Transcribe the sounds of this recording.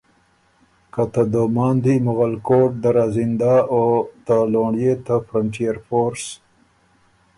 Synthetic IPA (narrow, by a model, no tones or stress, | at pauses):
kat̪ad̪omɑːnd̪imʊɣalkoʈ̚d̪aɾazind̪aot̪aloɳjet̪afɾaɳʈijaɾfoɾs